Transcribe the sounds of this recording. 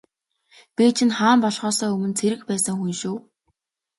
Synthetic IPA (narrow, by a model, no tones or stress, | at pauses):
piːt͡ɕʰɪ̆nχaːmpɔɮχɔːsœːɵmɵ̆nt͡sʰeɾɘ̆kpæːsə̆ŋxunʃuː